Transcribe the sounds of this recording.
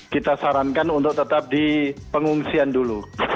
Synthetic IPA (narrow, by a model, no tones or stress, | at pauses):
kit̪asaɾankanunt̪ʊk̚t̪ət̪ap̚dipəŋuŋsiandulu